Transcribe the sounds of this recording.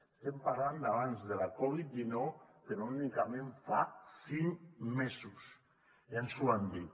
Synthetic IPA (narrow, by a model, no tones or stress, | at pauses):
e̥st̪empaɾland̪aβ̞anzðelakoβit̪̚ʝinotenonikamẽɱfasiŋmesus | eansuand̪i